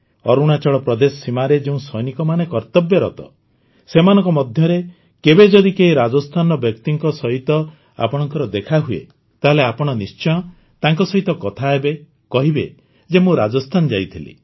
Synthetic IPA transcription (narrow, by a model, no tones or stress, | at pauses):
ɔɾuɽ̃at͡ʃɔɭɔpɾɔd̪esɔsimaɾed͡ʒeũsɔjnikɔmanekɔɾt̪ɔbjɔɾɔt̪ɔ̰ | semanɔŋkɔmɔd̪ʱjɔɾe | kebed͡ʒɔd̪ikeɦiɾad͡ʒɔst̪ʰanɔbjɔk̚t̪iŋkɔsɔɦit̪ɔ | a̰pɔɽ̃ɔŋkɔɾɔd̪ekʰaɦuḛ | t̪aɦeleapɔɽ̃ɔnist͡ʃɔj̃ɔ | t̪aŋkɔsɔɦit̪ɔkɔt̪ʰaebe | kɔɦibe | d͡ʒemũɾad͡ʒɔst̪ʰanɔd͡ʒajt̪ʰilḭ